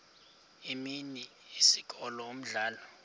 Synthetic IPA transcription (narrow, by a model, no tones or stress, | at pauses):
iminiisik̬ʼɔlɔom̩ɮaːlɔ